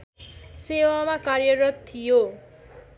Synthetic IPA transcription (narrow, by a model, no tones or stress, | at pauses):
sewamakaɾjʌɾʌt̪t̪ʰːijo